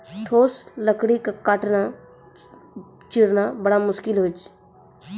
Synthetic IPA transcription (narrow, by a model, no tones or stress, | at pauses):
ʈʰoːsləkɽikakaʈna | t͡ʃɪɽnabɐɽamʊʃkɪlɦoːt͡ʃ